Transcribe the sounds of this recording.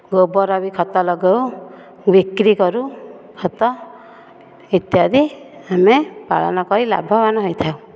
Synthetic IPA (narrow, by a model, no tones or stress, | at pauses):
ɡobɔɾabikʰɔt̪ɔlɔɡew | bikɾikɔɾu | kʰɔt̪ɔ | it̪jad̪iamepa̰ɭɔ̰nɔkɔɾila̰bʱɔbanɔɦojt̪ʰauw̃